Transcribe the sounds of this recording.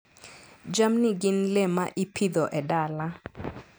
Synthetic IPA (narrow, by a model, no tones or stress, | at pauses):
d͡ʒamniɡɪnlemaʔipʰid̪ɔʔɛdala